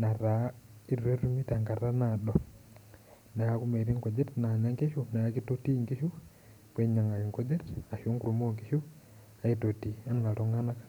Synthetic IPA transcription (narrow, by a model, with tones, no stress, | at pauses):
na˨ɾa˨i˦ɾe˦ɾu˦mi˦ta˨ŋɡa˨ra˦naɗo˨ | na˨ja˦ku˦me˨ɾi˦ŋko˨d͡ʒe˦tna˨ɲa˦ŋɡe˦ʃu˦na˨ja˦ki˦to˦ti˦ŋɡi˦ʃu˦ | pwe˦ɲa˨ŋa˨i˨ŋko˦d͡ʒe˦ta˨ʃu˦ŋkuɾumoŋɡi˦ʃu˦ | a˨i˨to˨ti˨a˦na˨lo˦ŋa˦na˦kḁ